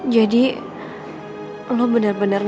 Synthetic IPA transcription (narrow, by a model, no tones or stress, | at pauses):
d͡ʒadi | lobənərbənar